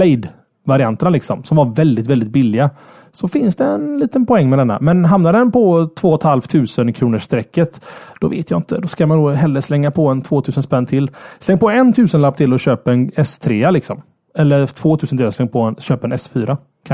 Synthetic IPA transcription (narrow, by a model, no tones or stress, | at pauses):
lɛɪd̪ | vaɾɪant̪əɳalɪksɔ̰msɔmvaɾvɛld̪ɪt̪vɛld̪ɪt̪̚bɪlːɪɡa | sɔfɪnsd̪ɛɛnliːt̪ənpɔɛŋːmɛd̪ɛnːa̰mɛnɦamnad̪ɛnpʰɔt̪ʰvoːɔt̪halft̪ʰʉ̟ːsənkʰɾuːnəʂt̪ɾɛkːət̪d̪̥ɔvḛːt̪ʰjaɪnt̪ʰə̰d̪ɔskamanːoːɦɛlːəɾslɛŋːapʰɔɛnt̪ʰvoːt̪ʰʉ̟ːsənspɛnːt̪ʰɪlːslɛŋːpɔɛnt̪ʰʉ̟ːsənlapːt̪ʰɪlːɔɕøːpaɛnɛst̪ʰɾeːalɪksɔm | ɛlːəɾt̪ʰv̥oːt̪ʰʉ̟ːsənʰɾeːɔslɛŋːpʰɔɛnɕøːpɛnɛsfyːɾa | kʰa